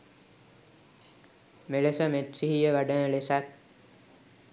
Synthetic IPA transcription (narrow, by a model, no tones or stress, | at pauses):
melesəmet̪riɦijəʋaɖəːəlesat̪̚